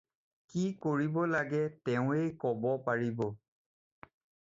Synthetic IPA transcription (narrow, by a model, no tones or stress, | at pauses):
kikoɹibɔlaɡɛtɛʊ̃ejkɔbɔpaɹibɔ